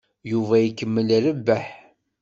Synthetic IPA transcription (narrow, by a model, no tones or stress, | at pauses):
juvæjikːəmːəlɾəbːæħ